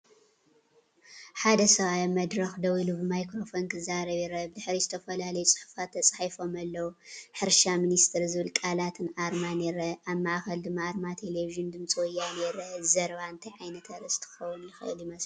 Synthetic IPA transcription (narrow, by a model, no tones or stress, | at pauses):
ħad̪ɐsɐβajamɐd̪ɾɐxd̪ɐwulubɨmajkɾo̞fo̞nkʰɨzaɾɐβiɾɐbd̪ɨħɾizɨt̪ʰɐfɐlalɐjut͡sʼɨ̥ħu̥fat̪ʰːɐt͡sʼħajfo̞mɐlːɐwuħɨɾʃaminist̪ʰɨɾzɨβɨlkʼalat̪ʰɨnaɾmaneɾɐʔaβmaʔxɐld̪ɨmːaʔɾmat̪ʰeleviʒɨnd̪ɨmt͡sʼwɔjane̞ɾɐzɐɾβaɨnt̪ʰɐjʕajnɐt̪ʰɐɾɐst̪ʰɨɨ̥xɐwːʊnjɪxɨʔɨ̰ljɪmɐs